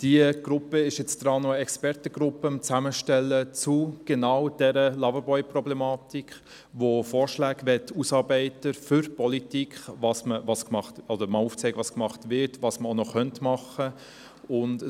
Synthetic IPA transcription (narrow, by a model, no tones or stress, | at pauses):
d̥iəɡ̥ɾʊpːəɪʃjɛt͡sd̥ɾɑːnoəɛkspɛɾtəɡɾʊpːəmt͡sæməʃtɛlːət͡suɡ̥enɑwd̥ɛɾəlɑvəbɔʏprɔblɛmɑːtikχ | ʋofɔːɾʃlæːɡʋɛtʰːusɑːɾbɛɪtəfʏɾpɔlitikχvɑsməvɑskmɑχtɔdəɾmɑluːft͡sɛɪɡəʋɑːskmɑχtvɪɾtvɑːsməonɔχœntmɑχə | ʊnd